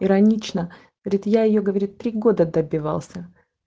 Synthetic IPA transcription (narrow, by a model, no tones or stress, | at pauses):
ɪɾɐnʲit͡ɕnəɡəvɐɾʲit̪jajɪjoɡəvɐɾʲit̪ːɾʲiɡo̞d̪əd̪əbʲɪvɑ̰lˠsʲə